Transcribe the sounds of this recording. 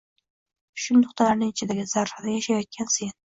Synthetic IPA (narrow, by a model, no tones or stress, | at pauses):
ʃʊnːʊχt̪ʰalaɾnɪŋɪt͡ʃʰɪd̪aɡʲɪzaɾhad̪ajaʃajɒt̪̚kʰʲansen